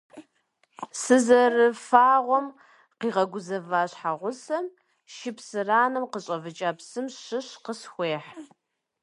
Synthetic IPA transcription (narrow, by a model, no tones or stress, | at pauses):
sɨzɐrɨfaːʁʷɔm | qiːʁɐɡʷʊzɐvaːɕħaʁʷʊsɐm | ʃɪpsɨraːnɨmqəɕʼɐvɨt͡ʃʼaːpsɨmɕɨɕqəsxʷeːħ